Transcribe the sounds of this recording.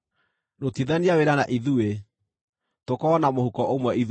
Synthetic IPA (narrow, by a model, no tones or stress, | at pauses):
notiðaniaweɾanaʔiðue | tokɔːnamohukɔʔomwɛið